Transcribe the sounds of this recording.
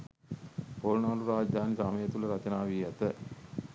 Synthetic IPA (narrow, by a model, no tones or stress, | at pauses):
polnaːluɾaːd͡ʒd̪aːnikɐɐmɐjɐt̪ulɐɾɐt͡ʃɐnaːʋijat̪ə